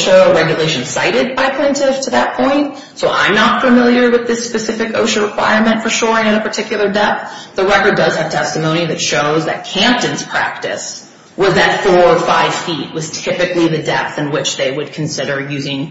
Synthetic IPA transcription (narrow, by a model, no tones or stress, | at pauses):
ʃəɹɛɡjɨleɪʃɨ̃nsa̰ɪɾɪd̚baɪpʰl̥ɛ̃ntɪftʰɨðət̚pʰɔ̃ɪ̃nt̚ | soʊʔã̰ɪ̃mnətfəmɪlˠjə˞wɨðɪspɨsɪfɨko̰ʊʃəɹɨkʰw̥a̰ɪɹmɨ̃ntfə˞ʃɔɹɪ̃ŋɨɾɨpə˞tʰɪkjl̩ˠə˞dɛp̚θðəɹɛkə˞dʌz̥ɨv̥tʰɛstɨmõʊ̃ñiðɨtʃoʊzðɨ̰t̚kʰæ̃mp̚tɨ̃nz̥pʰɹ̥æ̰k̚tɨ̰s | wʌzðɨtfɔɹəfaɪv̥fit̚wʌz̥tʰɪpɨkliðɨdɛ̰p̚θɨ̃nwɪt͡ʃðeɪwɨd̚kʰn̩sɪɾə˞jʉzɪ̃ŋ